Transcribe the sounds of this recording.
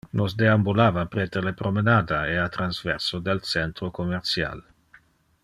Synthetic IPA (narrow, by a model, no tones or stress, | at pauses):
nosd̪eambulaːvapɾet̪elepɾomenaːd̪aeat̪ɾanzvɛɾsod̪elsɛnt̪ɾokomeɾt̪sja̰l